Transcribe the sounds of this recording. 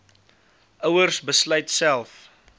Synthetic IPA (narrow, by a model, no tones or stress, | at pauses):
ʔəwərsbəsləjtsælˠf